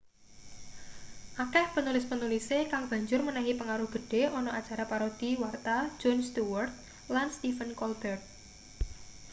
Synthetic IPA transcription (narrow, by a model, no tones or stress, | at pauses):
ʔakɛhpənulɪspənulisekaŋb̥ä̤ɲd͡ʒʊrmənaɦipəŋaɾʊhɡ̥ə̤ɖ̥e̤ʔɔnɔʔat͡ʃaɾapaɾod̪̥iwart̪ḁd͡ʒɔnst̪uwərt̪̚ | lanst̪ifənkɔlb̥ɛrt̪̚